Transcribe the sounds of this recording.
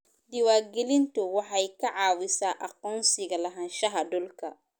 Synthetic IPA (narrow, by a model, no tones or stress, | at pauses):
d̪ɪwaːɡɛlɪnt̪ɔwɑħɑjkʰɐʕɑːwɪsaːʔɐqɔːnsɪɣɐlɐɦɐ̃ːnʃɐɦɐdɔlkʰɐ